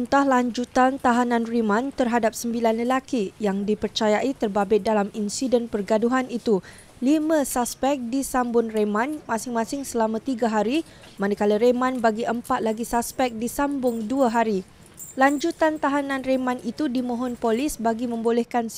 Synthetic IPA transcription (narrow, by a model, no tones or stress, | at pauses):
unt̪ahlaɲd͡ʒut̪ant̪aɦanãnrimãnt̪ərɦadap̚səmbilanləlakijaŋdipərt͡ʃajaʔit̪ərbabɪt̪̚dalaminsidənpərɡaduɦanit̪u | limə̃saspɛk̚disambʊnremãnmãsɪŋmãsɪŋsəlamãt̪iɡaɦaɾi | manakalaɾemãnbaɡiʔəmpat̪̚laɡisaspɛk̚disambʊŋduaɦaɾi | laɲd͡ʒut̪ant̪aɦanãnremãnit̪udimõɦɔnpolisbaɡimə̃mbolɛhkans